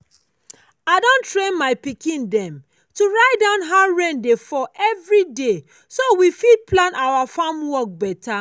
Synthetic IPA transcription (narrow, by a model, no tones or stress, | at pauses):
aɪdõntɹẽnmaɪpikĩndɛ̃m | tuɹaɪt̚dãʊ̃nɦaɹẽndefɔʔɛvɹide | sowifid̚pʰlãnʔawafãmwɔk̚bɛtʰa